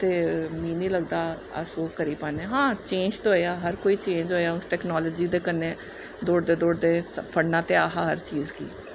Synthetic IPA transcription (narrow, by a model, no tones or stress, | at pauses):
t̪eːmĩːnĩːləɡd̪aː | ə̰soːkəɾiːpaːneːɦãːt͡ʃẽːnd͡ʒt̪oːaːɦəɾkoːiːt͡ʃẽːɲd͡ʒɦoːjaːʊsʈɛːknaːləːd͡ʒiːd̪eːkəneː | d̪oːɽd̪eːd̪oːɽd̪eːəpʰəɽnãːt̪eːaːɦaːɦəɾt͡ʃiːzɡḭː